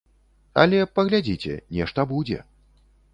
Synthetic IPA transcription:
ɐ̰lʲɛpɐɣlʲad͡zʲit͡sʲɛ̰nʲɛʂt̪ɐbud͡zʲɛ̰

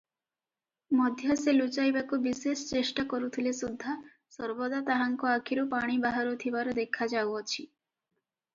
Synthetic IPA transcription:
mɔd̪ʱjɔselut͡ʃajbakubisesɔt͡ʃesʈakɔɾut̪ʰilesud̪ʱːa | sɔɾbɔd̪at̪aɦaŋkuakʰiɾupaɽ̃ibaɦaɾut̪ʰibaɾɔd̪ekʰad͡ʒawɔt͡ʃʰi

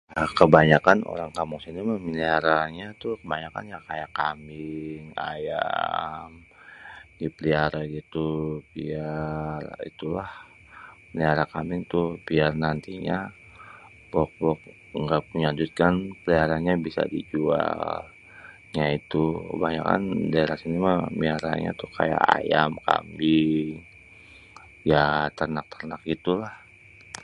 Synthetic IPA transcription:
əkəbaɲakano̰ɾaŋkamuŋsinimaminiaɾaɲat̪ʊhkəbaɲaka̰njakajakamɪŋa̰ja̰ | m | dipəliaɾaɡit̪ubiarḭt̪ulah | məniaɾakamɪŋt̪ʊhbiarnant̪iɲa | bɔk̚bɔk̚ | ŋɡapuɲad͡ʒut̪̚kanpəliaɾaɲabisa̰did͡ʒua̰l | ɲait̪ukə̰baɲa̰ka̰ndaeɾasinimamiaɾa̰ɲa̰t̪uhka̰ja̰ʔa̰ja̰mka̰miŋ | jat̪ərnak̚t̪ərnak̚ɡit̪ulah

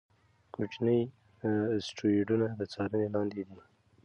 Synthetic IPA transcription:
kut͡ʃnəj | sʈɾueɖunad̪ət͡sɑɾənelɑnd̪ed̪i

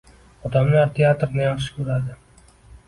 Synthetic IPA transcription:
ɒd̪amlaɾt̪ʰeat̪ɾnajɑχʃɪ̥kʲʰɵɾad̪ɪ

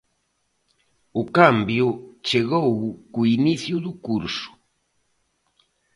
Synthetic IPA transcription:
okambjot͡ʃeɣowkuiniθjuðukuɾsu̥

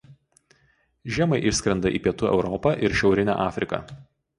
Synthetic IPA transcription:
ʒʲiɛmɐɪʔɪʃsʲkɾʲɛnd̪ɐʔḭːpʲiɛt̪uːɛ̰ʊɾɔpɐʔɪɾʃʲɛʊɾʲɪnʲæ̰ːʔɑːfʲɾʲɪkɐ̰ˑ

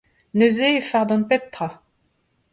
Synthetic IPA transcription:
nøzefaʁd̪ɔ̃npɛp̚t̪ʁa

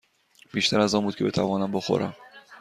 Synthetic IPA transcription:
b̥iːʃt̪ʰæɾæzɒːnbuːd̪̚cʰe̞be̞t̪ʰævɒːnæmbo̞xo̰ɾʔæ̰m

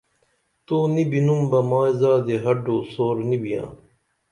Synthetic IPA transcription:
t̪oːnibinumbɐmaːjzaːd̪eɦɐɖoːsoːɾnibijã̰ː

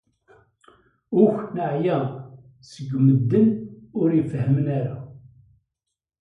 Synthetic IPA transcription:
ʊçnəʕjæ | səɡməd̪ːənʊɾjfhəmənæɾa

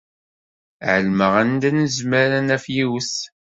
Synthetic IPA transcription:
ʕəlməʁænd̪ænəzmæɾænæfjiws

